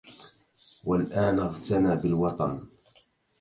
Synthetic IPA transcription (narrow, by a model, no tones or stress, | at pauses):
walʔaːnʔɑɣt̪anaːbɪlwɑt̪ˤɑn